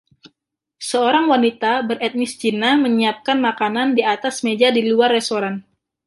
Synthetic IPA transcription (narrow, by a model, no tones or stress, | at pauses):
səoɾaŋwanit̪abərɛt̪̚nɪst͡ʃinaməɲiap̚kanmakanandiat̪asmed͡ʒadiluarːest̪oɾan